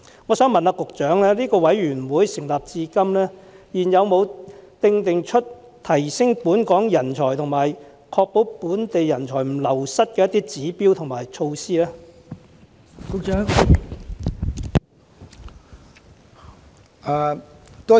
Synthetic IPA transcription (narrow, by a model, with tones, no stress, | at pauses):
ŋɔː˨˧sœː˨˥ŋmɐ˨naː˧kʊ˨k̚t͡ʃœː˨˥ŋlɛː˥liː˥kɔː˧wɐ˨˥jɥyː˨˩nwuː˨˥jsɪ˨˩ŋlaː˨p̚t͡siː˧kɐ˥mlɛː˥jiː˨˩njɐ˨˧wmo˨˧wt̪ɪ˧ŋt̪ɪ˨ŋt͡ʃʰɵ˥t̚ | t̪ʰɐ˨˩jsɪ˥ŋpuː˨˥nkɔː˨˥ŋjɐ˨˩nt͡ʃʰɔː˨˩jt̪ʰʊ˨˩ŋmaː˨˩j | kʰɔː˧k̚po˨˥wpuː˨˥nt̪e˨jːɐ˨˩nt͡ʃʰɔː˨˩jm̩˨˩lɐ˨˩wsɐ˥t̚kɛː˧jɐ˥t̪ːiː˥t͡siː˨˥piː˥wt̪ʰʊ˨˩ŋmaː˨˩jt͡ʃʰo˧wsiː˥lɛː˥ | kʊ˨k̚t͡ʃœː˨˥ŋ | a˧t̪o˥